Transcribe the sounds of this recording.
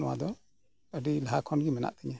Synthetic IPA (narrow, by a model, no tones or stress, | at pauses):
nɔwa̰d̪ɔ | ədilaɦakʰɔnɡimɛna̰ʔt̪ʰəɲa